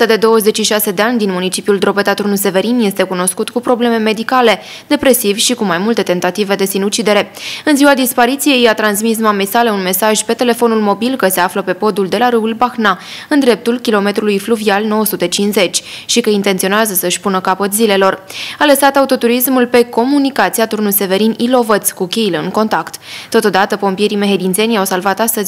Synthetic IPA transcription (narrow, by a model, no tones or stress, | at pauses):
t̪ad̪e̞d̪o̞wəze̞t͡ʃʃiʃase̞d̪e̞anʲd̪inmunit͡ʃipiuld̪ɾo̞bet̪at̪ɾunus̬e̞ve̞ɾinje̞st̪e̞kuno̞skut̪kupɾo̞ble̞me̞me̞d̪ikale̞ | d̪̥e̞pɾe̞sivʲʃikumajmult̪e̞t̪e̞nt̪at̪ive̞d̪e̞sinut͡ʃid̪e̞ɾe̞ɨnziwad̪ispaɾit̪sije̞jat̪ɾansmis̬mamesaleunme̞saʒʲpe̞t̪e̞le̞fo̞nulmo̞bilkəse̞afləpe̞po̞d̪uld̪e̞laɾɨulbaxna | ɨnd̪ɾe̞p̚t̪ulkʲilo̞me̞t̪ɾulujfluvialno̞wəsut̪e̞t͡ʃinze̞t͡ʃʲʃikəint̪ent̪sio̞neazəsəɨʃʲpunəkapət̪zile̞lo̞raləsat̪aut̪o̞t̪uɾismulpe̞ko̞munikat̪siat̪urnuse̞ve̞ɾinilo̞vət̪skukʲejleɨŋko̞nt̪akt̪ːo̞t̪o̞d̪at̪əpo̞mpije̞ɾime̞ɦed̪int̪se̞nʲjawsalvat̪ast̪əzʲ